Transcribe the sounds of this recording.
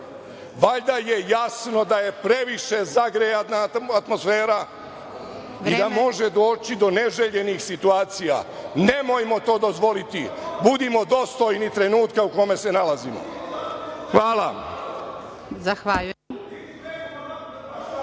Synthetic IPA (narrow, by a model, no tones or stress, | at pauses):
ʋaʎd̪aje̞jasno̞d̪aje̞pɾe̞ʋiʃe̞zaɡɾejat̪naat̪mo̞sfeːɾa | id̪amo̞ʒe̞d̪o̞ːt͡ɕid̪o̞ne̞ʒeʎe̞nixsit̪uaːt̪sija̰ne̞mo̞jmo̞t̪o̞ːd̪o̞zʋo̞lit̪ibud̪imo̞d̪ost̪o̞jnit̪ɾe̞nuːt̪kauko̞me̞se̞nalazimo̰ | xʋaːla | zaxʋa